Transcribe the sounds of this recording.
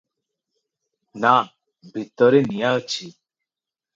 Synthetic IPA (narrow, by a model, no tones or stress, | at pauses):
na | bʱit̪ːɔɾenijaət͡ɕʰi